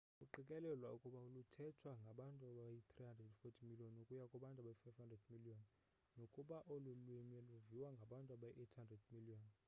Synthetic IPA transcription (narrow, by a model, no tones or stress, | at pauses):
kʼuǃikʼɛlɛlwaukʼuɓaulutʰɛtʰwaŋɡʱaɓantʼuaɓajit̪ʰrihandrɛdfotʰimiliɔnukʼujakʼuɓantʼaɓajifajvhandrɛdmiliɔn | nokʼuɓaʔolulwimɛluviwaŋɡʱaɓantʼuaɓajiʔetʰhandrɛdmiliɔn